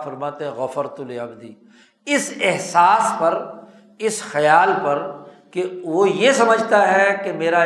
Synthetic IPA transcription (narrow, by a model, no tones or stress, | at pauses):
fɐɾmaːt̪ẽɦɛ̃ɣɐfəɾt̪ʊleɐbd̪iː | ɪsɪɦsaːspɐɾ | ɪsxɐjaːlpɐɾkeʋojesɐməd͡ʒʱt̪aɦɛkemeːɾa